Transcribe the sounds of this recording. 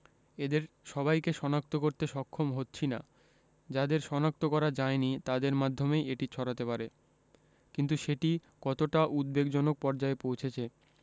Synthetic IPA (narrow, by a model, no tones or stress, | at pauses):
ed̪eɾ | ʃɔbajkeʃɔnak̚t̪okoɾt̪eʃɔkʰːomɦotːɕʰina | d͡ʑad̪eɾʃɔnak̚t̪okɔɾad͡ʑaenit̪ad̪eɾmad̪ʱːomejeʈit͡ɕʰɔɽat̪epaɾe | kint̪uʃeʈi | kɔt̪oʈaʔud̪̚beɡd͡ʑɔnok̚pɔɾd͡ʑaepowt͡ɕʰet͡ɕʰe